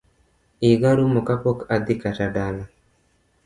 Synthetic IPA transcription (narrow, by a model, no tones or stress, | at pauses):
iɡaɾumɔkapɔkad̪ikataɖana